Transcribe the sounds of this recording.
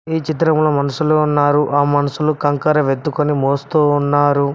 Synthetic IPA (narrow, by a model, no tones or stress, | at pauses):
iːt͡ʃit̪̬ɾɐmlomɐnɐsuloːunːaːɾuʔaːmɐnɐsulukɐŋkɐɾɐʋet̪ːukonimoːst̪uːnːaːɾu